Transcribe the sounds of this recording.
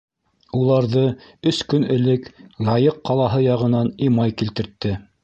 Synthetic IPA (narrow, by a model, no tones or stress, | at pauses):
ulˠɑɾðɤɵskɵ̆nɘ̆lɘklɑjɤqːɑlˠɑɦɤjɑʁɤ̆nɑnimɑjkilt̪ɘ̆ɾt̪ːɘ